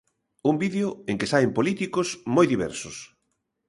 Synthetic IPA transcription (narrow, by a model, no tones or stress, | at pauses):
umbiðeʊeŋkɪsaempolit̪ikʊsmojðiβɛ̰ɾsʊs